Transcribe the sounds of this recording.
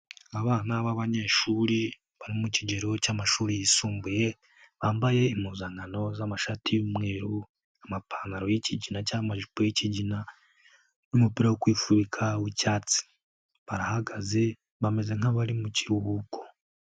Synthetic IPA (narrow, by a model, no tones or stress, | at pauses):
aβaːnaβaβaɲe̞ʃuːɾi | βaɾimuciɟe̞ɾo̞caːmaʃuːɾijisuːmbuje̞ | βaːmbaje̞imuːzaŋɡano̞zamaʃatʰijumŋe̞ɾu | amapʰanaɾo̞jiciɟinacamaʒipojiciɟina | numupiɾawokwiːfuβikʰawicaːt͡si̥ | βaɾahaɡaze̞ | βame̞ze̞ŋ̥aβaɾimuciɾuhuko̥